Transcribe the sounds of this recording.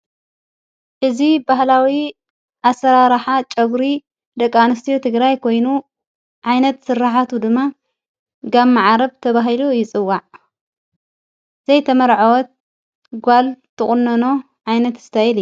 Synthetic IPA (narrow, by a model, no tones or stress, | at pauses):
ʔɨzibaɦlawi | ʔasɐɾaɾħat͡ʃʼɐɡɾi | d̪ɐkʼːanɨst̪ʰijot̪ʰɨɡɾajkʰo̞jnu | ʕajnɐt̪sɨrːaħat̪ʰud̪ɨmːa | ɡamːaʕaɾɐβt̪ʰɐβaɦilujɪt͡sʼɨwːaʕ | z̥ɐjt̪ʰɐmɐɾʕawɔt̪̚ | ɡʷalt̪ʰːɨχʼʊnːɐno̞ | ʕajnɐt̪ɨ̥st̪ʰajilju